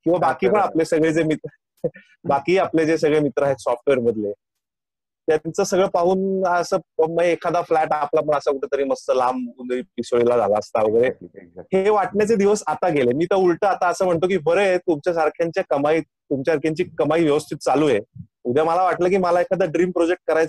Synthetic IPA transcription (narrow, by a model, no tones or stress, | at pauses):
kĩw̃ʋabakiːpəɳaplesəɡɭet͡semit̪ə | bakiːapled͡zesəɡɭemit̪ɾaɦesɔfʈʋeɾməd̪le | t̪jat̪it͡səsəɡɭepaɦuːnəsəːməeːkʰad̪aflæʈaplapəɳəsakuʈʰət̪əɾiːməst̪əlamunipisoɭilad͡za̰laəst̪aʋəɡəɾeheʋaʈnjat͡sed̪iʋəsat̪aɡʱelemiːt̪əulʈəːat̪aəsəːm̤əɳt̪okiːbʱəɾəjet̪umt͡ɕjasaɾkʰjaɲt͡ɕjakəmaiː | t̪umt͡ɕjaaɾkʰjaɲt͡ɕiːkəmaiːʋjəʋəst̪ʰit̪̚t͡saluːje | ud̪ʱjaməlaʋaʈlək̬iːməlaekʰad̪aɖɾiːmpɾod͡ʑek̚ʈ̚kəɾajt͡s